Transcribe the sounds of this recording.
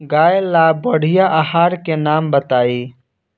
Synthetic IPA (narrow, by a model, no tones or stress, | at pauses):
ɡaːjlabəɽ̤ijaʔəɦaːɾkenambət̪aːi